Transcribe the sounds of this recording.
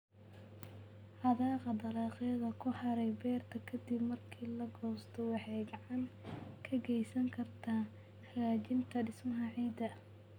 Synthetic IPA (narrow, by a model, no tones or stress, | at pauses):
ħɑðɑːqɑd̪ɐɾɑːqɛːðɐkʰʊħɑɾɛjbɛːrt̪ʰɐkʰɐd̪ɪbmɐrkʰiːlɐɡɔːst̪ʰɔwɑħɛɡʕɑnkʰɐɡɛjsɐŋkʰɐrt̪ʰaː | ħlaːt͡ʃɪnt̪ʰɐɖɪsmɐɦɐʕiːd̪ɐ